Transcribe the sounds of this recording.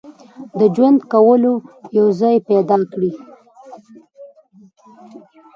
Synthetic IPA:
d̪əd͡ʒwand̪kawəlojawzɑjpɛd̪ɑkɽi

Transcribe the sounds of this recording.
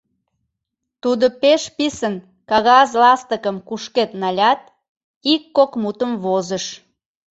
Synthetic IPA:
t̪ud̪opeʃpisən | kɑɣɑzlɑst̪əkəmkuʃket̪nɑlʲɑt̪̚ | ikːokmut̪əmβozəʃ

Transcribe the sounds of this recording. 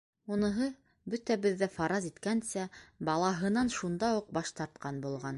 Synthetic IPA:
unɤ̆ɦɤ | bɵt̪æbɘ̆ðːæfɑɾɑzit̪kænsæbɑlˠɑɦɤ̆nɑnʃund̪ɑuq̚bɑʃt̪ɑɾt̪̚qɑnbulˠʁɑn

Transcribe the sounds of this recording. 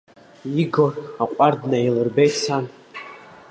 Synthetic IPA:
iɡoraqʷʼardnailɨrbejtsan

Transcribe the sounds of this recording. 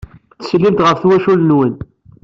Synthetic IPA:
θə̥slːimt̪ʁəfθwæʃulnwən

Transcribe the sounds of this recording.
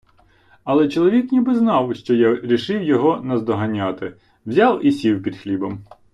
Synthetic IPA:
ɐlˠɛt͡ʃɔlˠɔʋʲiknʲibɪznɑwʃt͡ʃɔjaɾʲiʃɪwjɔɦɔnɐzd̪ɔɦɐnʲat̪ɪ | wzʲɑwisʲiwpʲid̪xlʲibɐm

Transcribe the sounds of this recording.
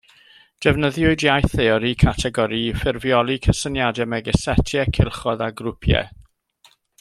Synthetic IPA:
d̥ɛvnəðjʊɨdjajθeɔɾikʰatʰɛɡɔɾifɪrvjɔlˠikʰəsənjadɛmɛɡɛsɛtʰjɛkʰɪlˠχɔðaɡɾʊpʰjɛ̰

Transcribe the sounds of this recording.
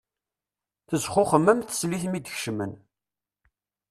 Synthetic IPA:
θəzχʊχəmːæmθə̥sliθmid̪əçʃmə̰n

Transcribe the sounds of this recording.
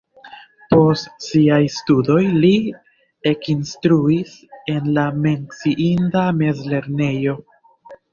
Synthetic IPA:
po̞stsiajstudo̞jli | e̞kinstɾuise̞nlame̞ŋksiʔindame̞zle̞ɾne̞jo̞

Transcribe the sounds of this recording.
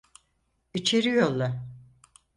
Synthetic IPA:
it͡ʃʰeɾijolˠːa

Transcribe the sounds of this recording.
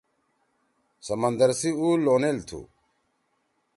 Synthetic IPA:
sɐmɐnd̪ɐɾsiulonelt̪ʰṵ

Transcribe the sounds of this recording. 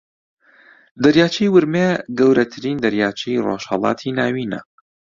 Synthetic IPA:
d̪ɐɾjaːt͡ʃʰijwɨɾmeɡɐwɾɐt̪ʰɨɾiːnd̪ɐɾjaːt͡ʃʰijro̰ʃhəlˠɑ̰ːt̪ʰiːnaːwiːnɐ̰

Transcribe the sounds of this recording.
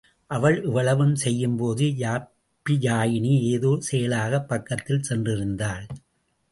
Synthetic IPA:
ʔɐʋɐɭʔɪʋɐɭɐʋɯmsɛjːɯmpoːðɯjaː | pːijaːjɪɳieːðoːsejɐlaːɣɐpːɐkːɐt̪ːɪlsɛndrɪɾɯnd̪aːɭ

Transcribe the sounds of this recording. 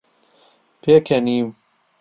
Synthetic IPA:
pʰeːkʰɐniːm

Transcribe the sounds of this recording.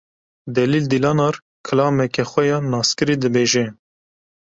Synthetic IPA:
d̪ɛliːld̪ilɑːnɑɾ | kʰɨlɑːmɛkɛxʷɛjɑnɑːskɨɾiːd̪ɨbeːʒɛ

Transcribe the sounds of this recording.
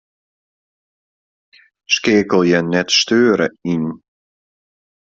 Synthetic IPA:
skɪːəkəlˠjɛnɛtstøːɾəin

